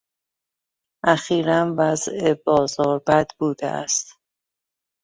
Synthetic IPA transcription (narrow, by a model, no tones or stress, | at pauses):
ʔæxiːɾænvæzebɒːzɒːɾbæd̪buːd̪̥ḛʔæ̰st̪